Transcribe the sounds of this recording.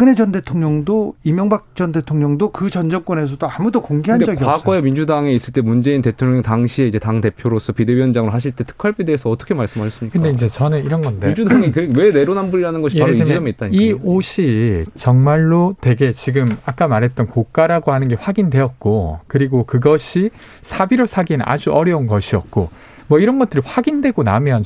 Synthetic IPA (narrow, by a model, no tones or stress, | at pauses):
k͈ɯne̞d͡ʑʌnde̞tʰoŋɲʌŋdoimjʌŋbak̚t͡ɕ͈ʌnde̞tʰoŋɲʌŋdokɯd͡ʑʌnd͡ʑʌŋk͈ne̞s̬ʰʌdoamudokoŋɡeɦanded͡ʑʌɡiʌaɡaemind͡ʑudaŋe̞is͈ɯɭt͈e̞mund͡ʑe̞inte̞tʰoŋɲʌŋtaŋɕʰie̞id͡ʑe̞taŋte̞pʰjoɾos͈ʌpideɥiʌnd͡ʑaŋɯɾoɦaɕ̬ʰiɭt͈e̞tʰɯ̥kʰaɭp͈ideːsʰʌːt͈ʌkʰe̞maɭs͈ɯmaɕʰʌs͈ɯmɲikɯndeid͡ʑe̞t͡ɕʌnɯniɾʌnɡʌndend͡ʑudaŋikɯwe̞ne̞ɾonanbuɾiɾanɯnɡʌɕiaɾoiid͡ʑʌmeitt͈aniioɕʰit͡ɕʌŋmaɭːotwe̞ɡe̞t͡ɕiɡɯmak͈amaɾɦe̞t̚t͈ʌnkok͈aɾaɡohanɯnɡe̞ɸwaɡindwe̞ʌt̚k͈okɯɾiɡokɯɡʌɕʰi | sʰabiɾoɭsʰaɡinna̰d͡ʑuʌɾjʌunɡʌɕʰiʌt̚k͈o | mwʌiɾʌnɡʌt͈ɯɾiɸwaɡindwe̞ɡona̰mjʌn